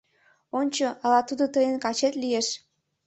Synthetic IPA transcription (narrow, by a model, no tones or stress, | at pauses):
onʲt͡ɕoəlɑt̪ud̪ot̪əjənkɑt͡ɕet̪lijeʃ